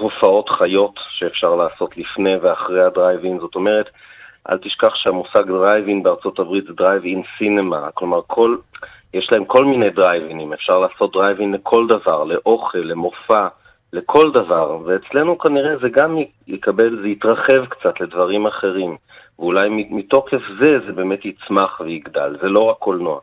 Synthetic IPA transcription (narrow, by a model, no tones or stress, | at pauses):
ofao̞tχajo̞tʃeːfʃaʁlaːso̞tlifne̞veaχʁejhadʁajvinzo̞to̞me̞ʁet̪ | ʔa̰ltiʃkaχʃeamusaɡdʁajviŋbeaʁt͡so̞tabʁitzedʁajvinsinemaklo̞maʁkʰo̞l | jeʃlaemko̞lmine̞jdʁajvinimefʃaʁlaːso̞t̚dʁajvinle̞kʰo̞ldavaʁle̞ʔo̞χe̞lːe̞mo̞fa | le̞kʰo̞ldavaʁveːt͡sle̞nukaniʁezeɡam | jikabe̞lzejitʁaχe̞vkt͡satle̞dvaʁimaχe̞ʁim | veulajmimito̞kefze̞zebe̞ːme̞tit͡smaχveiɡda̰lze̞lo̞ʁakːolnoa̰